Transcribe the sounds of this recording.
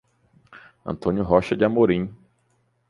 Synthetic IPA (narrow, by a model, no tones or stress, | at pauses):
ɐ̰̃nt̪õnʲjʊɦɔʃɐd͡ʒɪamoɾĩ